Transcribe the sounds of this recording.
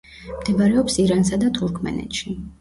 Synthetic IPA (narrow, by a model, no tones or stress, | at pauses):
md̪̥ɛbaɾɛɔpsiɾansad̪at̪ʰuɾkʰmɛ̰nɛ̰t̪ʃi